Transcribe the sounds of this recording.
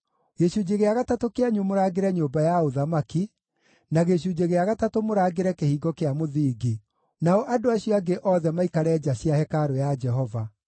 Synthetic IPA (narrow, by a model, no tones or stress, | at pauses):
ɣeɕud͡ʑeɣeaɣatatokeaɲumoɾaːɡeɾɛɲoːbajaoðamaki | naɣeɕ̬ud͡ʑeɣeaɣatatomoɾaːɡeɾɛkehiːɡɔkeamoðiːɡi | naɔʔadoaɕijɔaɡeʔɔːðɛmaikaɾɛd͡ʒaɕiahɛkaɾojad͡ʒɛɦɔva